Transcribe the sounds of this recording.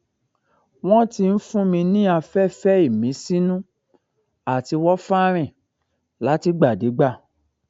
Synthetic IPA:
w̃ɔ̃˦ti˧n̩˦fũ˦mĩ˧nĩ˦a˧fɛ˦˨fɛ˦i˦˨mĩ˨˦si˦nũ˦ | a˨ti˧wɔ˦fa˦ɾ̃ɛ̃˦˨ | la˨˦ti˧˦ɡ͡ba˨de˨˦ɡ͡ba˦˨

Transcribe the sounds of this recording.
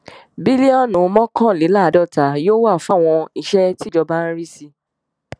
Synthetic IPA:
bi˦li˦ɔ˦˨nũ˨˧˦mɔ̃˦kã˦˨le˨˦la˦˨˦dɔ˦˨ta˨˦joː˦wa˦˨fa˦˨w̃ɔ̃˧i˨ʃɛ˦ti˦d͡ʒɔ˧ba˦n̩˦ɾi˦si˧

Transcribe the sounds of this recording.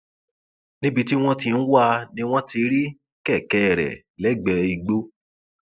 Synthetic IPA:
nĩ˦bi˧ti˦w̃ɔ̃˦ti˧n̩˦wa˦˧nĩ˦w̃ɔ̃˦ti˧ɾi˦ | kɛ˦˨kɛ˦˨ɾɛ̰˨ | lɛ˨˦˨ɡ͡bɛ˧i˧ɡ͡bo˦

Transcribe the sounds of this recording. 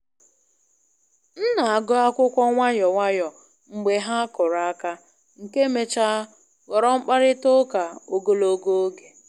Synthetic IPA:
n̩˦na˨a˨ɡɔ˦a˦kʷʊ˦kʷɔ˦ŋʷa˦ɲɔ˨ŋʷa˦jɔ˨ | ŋ͡m̩˨ɡ͡be˨ɦa˦kʊ˨ɾa˨˦ka˦ | ŋ̩˨ke˦me˨t͡ʃa˦ | ɣɔ˨ɾɔ˦ŋ͡m̩˦k͡pa˦ɾɪ˦tʊ˦ka˨o˨ɡo˦lo˨˦ɡo˦o˦ɡe˨

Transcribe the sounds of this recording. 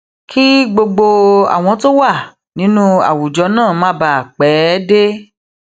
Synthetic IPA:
kʰi˦ɡ͡bo˧ɡ͡bo˧a̰˨w̃ɔ̃˧to˦wa˦˨ | nĩ˨˦nũ˦a̰˦˨wu˨d͡ʒɔ˧˦nãː˦˨mã˦ba˧a˨k͡pɛ˨˦de˦

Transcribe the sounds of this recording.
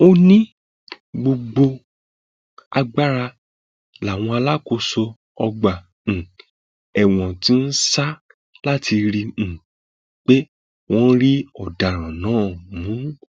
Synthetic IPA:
o˦nĩ˦ | ɡ͡bo˧ɡ͡bo˧ | a˧ɡ͡ba˦ɾa˧ | la˨w̃ɔ̃˧a˧la˦ko˧so˧ | ɔ˧ɡ͡bã˨ | ɛ˦˨w̃ɔ̃˨ti˦n̩˦sa˦ | la˦tʰi˧ɾĩ˧˨ | k͡pe˦ | w̃ɔ̃˦ɾi˦ɔ˨da˨ɾ̃ã˨nã˨˦˨mũ˨˦

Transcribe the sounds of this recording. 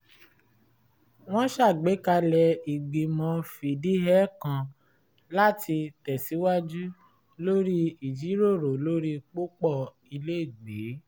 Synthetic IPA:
w̃ɔ̃˦ʃa˦˨ɡ͡be˨˦ka˧lɛ˧i˨ɡ͡bi˨mɔ̃˨˧fi˨di˦ɦɛ˦kã˨ | la˦ti˧tɛ˨si˨˦wa˦d͡ʒu˦ | lo˦ɾi˦i˨d͡ʒi˨˦ɾo˦˨ɾo˨lo˦ɾi˦k͡po˦k͡pɔ˦˨ | i˧le˦i˦˨ɡ͡be˨˦

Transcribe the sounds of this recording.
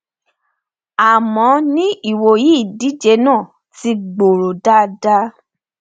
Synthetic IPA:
a˨mɔ̃˨˦nĩ˦i˦˨wo˨ji˨˦i˦˨di˨˦d͡ʒe˧˦nãː˦˨ | ti˧ɡ͡bo˨ɾo˨da˦da˦

